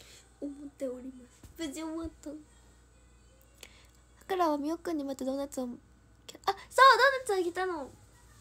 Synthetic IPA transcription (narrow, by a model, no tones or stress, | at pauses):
omot̪ːeoɾimasbɯd͡ʑiomat̪ːa | akɯɾawamiokːɯɲːimat̪ːed̪onat͡ɕam | keʔasad̪onat͡ɕãkit̪ːano